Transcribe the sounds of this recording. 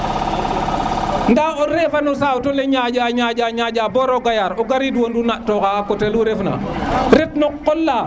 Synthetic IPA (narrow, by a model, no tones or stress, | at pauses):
ndaɔɾɛfanɔsawtɔlɛɲaɟaɲaɟaɲaɟabɔɾɔɡajaɾɔɡaɾiduwondunatɔkakɔteluɾɛfna̰ɾɛtnɔkːɔlːa